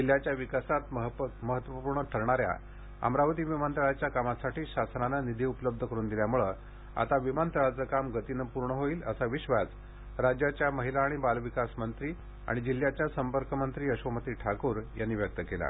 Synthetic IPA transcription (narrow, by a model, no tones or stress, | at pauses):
d͡ʑil̤jat͡ɕjaʋikasat̪ɦməɦət̪ʋəpuɾɳəʈʰəɾɳaɾja̰ | ə̰mɾaʋət̪iːʋimant̪əɭat͡ɕjakamasaʈiːɕasnananid̪ʱiːupələb̚d̪ʱəkəɾuːnd̪iljamuɭə | a̰t̪aʋimant̪əɭat͡səkamɡət̪inəpuɾɳəɦoiːləsaʋiɕʋat͡s | ɾad͡ʑjat͡ɕjaməɦilaːɽ̃ibaluʋikasmənt̪ɾiː | a̰ɽ̃id͡ʑil̤jat͡ɕjasəmpəɾkəmənt̪ɾiːəɕʋəmət̪iːʈʰakuːɾjanːiːʋjək̚t̪əkela̰